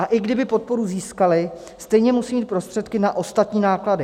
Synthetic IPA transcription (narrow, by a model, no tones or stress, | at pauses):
ʔaʔɪɡdɪbɪpo̞t̪̚po̞ɾuziːskalɪ | st̪ɛjɲɛmusiːmiːt̪̚pɾo̞st̪r̥ɛt̪kɪnaʔo̞st̪at̪ɲiːnaːkladɪ